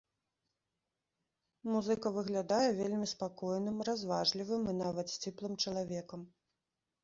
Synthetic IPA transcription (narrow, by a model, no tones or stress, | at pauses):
muzɨkɐvɨɣlʲad̪ajɛvʲelʲmʲispakɔjnɨmrazvaʐlʲivɨminavɐt̪sʲt͡sʲɛplˠɨmt͡ʂɐlˠavʲɛkɐm